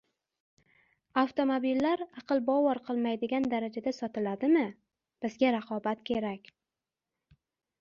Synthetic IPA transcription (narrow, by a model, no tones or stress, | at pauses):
aft̪ʰo̞mobilːaɾɑqʰɨlˠbɒwɒɾqʰɨlˠmajd̪ɪɡʲand̪aɾad͡ʒad̪asɒt̪ɪlad̪ɪmɪ | b̥ɪzɡʲaɾaqʰɒbat̪kʲʰe̞ɾakʲ